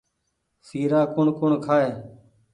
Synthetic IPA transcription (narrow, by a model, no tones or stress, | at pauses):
siːɾaːkʊɳkʊɳkʰaːeː